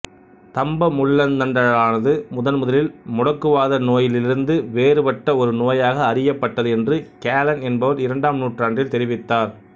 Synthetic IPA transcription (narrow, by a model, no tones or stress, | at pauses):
t̪ɐmbɐmʊɭːɐnnɐnɖɐɭaːnɐðɯmʊðɐnmʊðɐlɪlmʊɽɐkːɯʋaːðɐnoːjɪlɪɾɯnd̪ɯʋeːrɯpɐʈːɐɔɾɯnoːjaːɣɐːrɪjɐpːɐʈːɐðɯɛndrɯkaːlɐnɛnbɐʋɐɾɪɾɐɳɖaːmnuːʈraːɳdrɪlt̪ɛɾɪʋɪt̪ːaːɾ